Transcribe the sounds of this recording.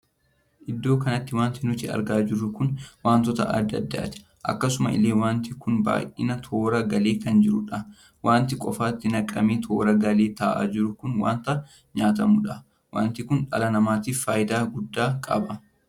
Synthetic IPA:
ʔɪd̪ːo̞ːkɐnɐt̪ːɪwaːnt̪ɪnʊt̪ɪɐ̰ɾɡaːd͡ʒɪɾːʊkʊnwaːnt̪ɔt̪ɐ̰ʔɐ̰d̪ːɐ̰d̪ːa̰ːt̪ɪ̥ | ʔɐ̰kːɐsʊmɐ̰ʔɪ̰leːwaːnt̪ɪkʊnba̰ːʔɪ̰nɐt̪ʰo̞ːɾɐɡɐle̞ːkɐnd͡ʒɪɾʊᶑɐ | waːnt̪ɪkʼɔfaːt̪ːɪnɐkʼːɐmeːt̪ʰo̞ːɾɐɡɐle̞ːt̪aːʔa̰ːd͡ʒɪɾʊkʊnwa̰ːnt̪ɐ | ɲaːt̪ɐmʊᶑɐ | wa̰ːnt̪ɪkʊnᶑɐ̰lɐnɐmaːt̪iːffaːjɪd̪aːɡʊd̪ːaːkʼɐ̰bɐ

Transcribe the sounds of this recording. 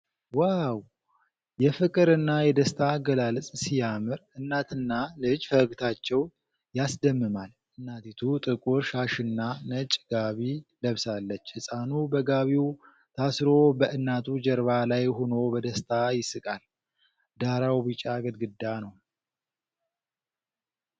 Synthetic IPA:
waw | jɛfɨkʼɨɾɨnːajɛd̪əst̪ʰaɡəlalsʼsijamɨɾɨnːat̪ɨnːalɨd͡ʒfəɡt̪ʰat͡ʃːɛw | jasd̪əmːɨmal | ʔɨnːat̪it̪ʰut̪ʼɨkʼuɾʃaʃɨnːanət͡ʃʼɡ̥aβiləβsalːət͡ʃːhɨsʼanubəɡaβiw | t̪ʰasɾo̞bəʔɨnːat̪ʰud͡ʒɛɾβalajhono̞bəd̪əst̪ʰʼajɪsɨkʼal | d̪aɾawbɨt͡ʃʼaɡəd̪̚ɡɨd̪ːanəw

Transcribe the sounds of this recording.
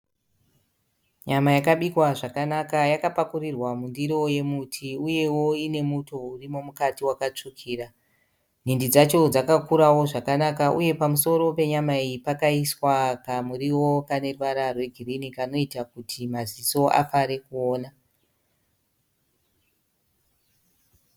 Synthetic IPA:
ɲamajakaɓikwaʐakanakajakapakurirwamundiɾo̞je̞mutʰiuje̞wo̞ine̞muto̞urimomukatiwakat͡ʂukʰiːra | n̤indid͡zat͡ʃo̞d͡zakakuɾawo̞ʐakanakaʔṵje̞pamuso̞ɾo̞pe̞ɲamaijipakaiswakamuɾiwo̞kane̞ruʋaɾarwe̞ɡʱirinikano̞itakutʰimaziso̞ʔa̰faɾe̞kuoːna

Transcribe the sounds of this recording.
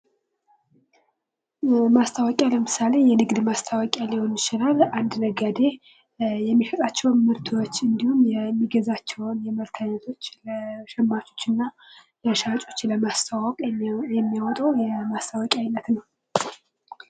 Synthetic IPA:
mast̪ʰawɔkʼjaləmɨsale̞jɛnɨɡd̪mast̪ʰawɔkʼalːiho̞nt͡ʃːɪnaland̪nəɡad̪e̞ | jɛmːifət̪ʼat͡ʃːɛwnmɨɾt̪ʰɨwot͡ʃːɨnd̪ihumjɛmːiɡəzat͡ʃːɛwnjɛməlt̪ʰaɲːət̪ʰo̞t͡ʃːləʃɛmːat͡ʃʰʼo̞̥t͡ʃːɨnːa | jaʃat͡ʃʼo̞̥t͡ʃːləmast̪ʰawɔkʼjɛmːiwɔt̪ʼəwjɛmast̪ʰawɔkʼajnːət̪nəw

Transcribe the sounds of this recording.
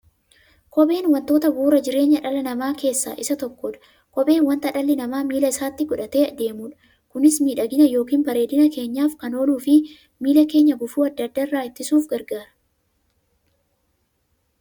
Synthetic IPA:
kɔɓʼe̞ːnwɐnt̪o̞ːt̪ɐbuːɾɐd͡ʒɪɾe̞ːɲːɐᶑɐlɐnɐmaːke̞ːsːa̰ːʔɪsɐt̪ɔkːoːᶑɐ̥ | kɔɓʼe̞ːnwɐnt̪ɐᶑɐlːɪnɐmaːmiːlɐɪsaːt̪ːɪɡɔᶑɐt̪e̞ːɐd̪e̞ːmuᶑɐ̥ | kʊnɪsmiːᶑɐɡɪnɐjo̞ːkiːnbɐɾe̞ːd̪ɪnɐke̞ːɲːaːfkɐno̞ːnuːfɪ | miːlɐke̞ːɲːɐɡʊfuːɐd̪ːɐd̪ːaːɪrːaːɪt̪ːɪsuːfɡɐɾɡaːɾɐ̥

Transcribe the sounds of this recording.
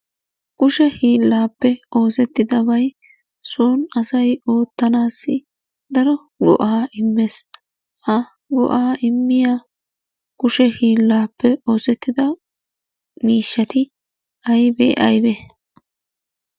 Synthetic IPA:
kʼʊʃɛhiːlːaːpːɛo̞ːsɛt̪ːɪd̪ɐbɐj | soːnɐsɐjo̞ːt̪ːɐnaːsːɪ | d̪ɐɾɔ | ɡɔ̰ʔaːɪmːeːs | ʔɐ | ɡɔ̰ʔaːɪmːɪjaː | kʼʊʃɛhiːlːaːpːɛoːsɛt̪ːɪd̪ɐ | miːʃːɐt̪ɪ | ɐjbḛːʔɐjbe

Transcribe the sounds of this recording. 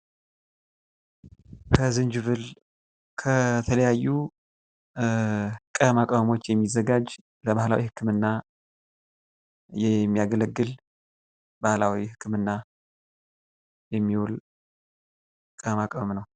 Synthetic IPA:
pʰəzɨnd͡ʒɨβɨl | kʰət̪ʰələjajːu | kʼəmakʼəəmo̞t͡ʃːjɛmːizːəɡad͡ʒ | ləβahla̰wihɨkʰːɨmɨnːa | jɛmːijaɡələɡːɨl | bahlawihɨkʰːɨmɨnːa | jɛmːiwol | kʼəmakʼəəmnəw

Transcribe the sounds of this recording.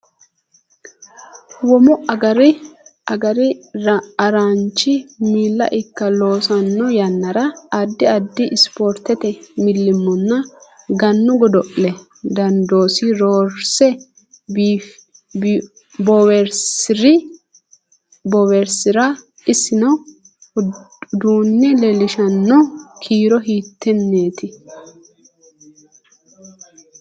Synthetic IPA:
wɔmɔʔɐɡɐɾɪɐɡɐɾɪ | ɐɾant͡ʃːɪmiːlːɐ̰ʔɪkːɐlo̞ːsɐnːɔjɐnːɐɾɐːd̪ːɪɐd̪ːɪʔɪspoːɾt̪ːɛt̪ɛmɪlːɪmːɔnːɐɡɐnːʊɡɔd̪ɔʔlɛ | d̪ɐnd̪oːsɪɾoːɾsɛ | b | bɔwɛɾsɪɾɪ | bɔwɛɾsɪɾɐ | ɪsːɪnɔ | d̪uːnːɛlɛlɪʃɐnːɔkʰiːɾɔɦiːt̪ʰːɛnːe̞ːt̪ɪ

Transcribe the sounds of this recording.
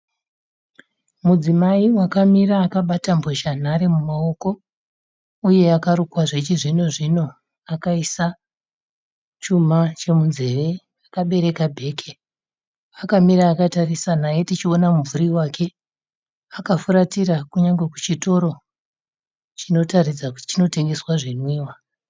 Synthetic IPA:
mud͡zimaiwakamiɾaːkaɓatambʱoʃan̤aɾe̞mumao̞ko̞ | uje̞akaɾukwaʐet͡ʃiʐino̞ʐino̞ | akaisa | t͡ʃumat͡ʃe̞munze̞re̞ | akaɓe̞ɾe̞kabʱe̞ːkʰe | akamiɾaːkatarisanaje̞tit͡ʃio̞namuɱvuɾiwaːkʰe̞ | akafuɾatiɾakuɲaŋɡwe̞ku̥t͡ʃito̞ɾo̞ | t͡ʃino̞taɾid͡zakuti̥t͡ʃino̞te̞ŋɡe̞swaʐinwiːwa

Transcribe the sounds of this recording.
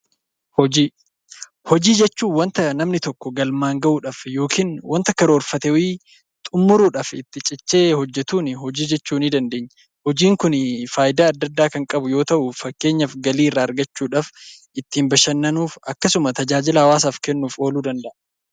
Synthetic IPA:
hɔi | hɔd͡ʒiːd͡ʒɛt͡ʃːuːwɐnt̪ɐnɐmnɪt̪ɔkːɔɡɐlmaːŋɡɐʔuːᶑɐfjo̞ːkʰiːnwɐnt̪ɐkɐɾoːɾfɐt̪ɛwiː | t̪ʼʊmːʊɾuːᶑɐfɪt̪ːɪt͡ʃʼɪt͡ʃːe̞ːhɔd͡ʒːɛt̪uːnɪɦɔd͡ʒiːd͡ʒɛt͡ʃːuːnid̪ɐnd̪e̞ːɲː | hɔd͡ʒiːŋkʊnfaːjɪd̪aːɐd̪ːɐd̪ːaːkɐŋkʼɐbʊjo̞ːt̪ɐʔʊfɐkːe̞ːɲːɐfɡɐliːɪrːaːɾɡɐt͡ʃːuːᶑaːf | ɪt̪ːɪmbɐʃɐnːɐnuːfɐkːɐsʊmɐt̪ɐd͡ʒaːd͡ʒɪlɐɐwaːs̬aːfkɛnːuːfo̞ːluːd̪ɐnd̪ɐʔɐ

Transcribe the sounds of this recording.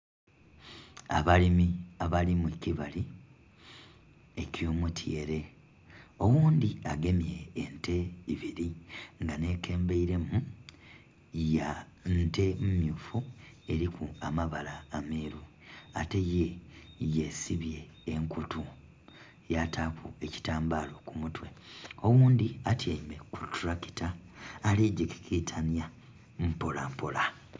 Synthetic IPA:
a̰βalimiaβalimueciβali | ecjo̞ːmutʰje̞ɾe̞ | o̞wuːnd̪iaɡe̞mje̞ːnte̞iβiɾiŋɡane̞ke̞ːmbeiɾe̞mu | ja | nte̞mumjuːfu | e̞ɾikʰuamaβalaːmeːɾu | ate̞jejesiβje̞ː | ŋkutu | jatʰakʰue̞ci̥taːmbaːlo̞kumutwe̞o̞wuːndiatʰeime̞ku̥tuɾaki̥tʰaːleːɟeki̥kʰitʰanja | m̩po̞lampo̞la

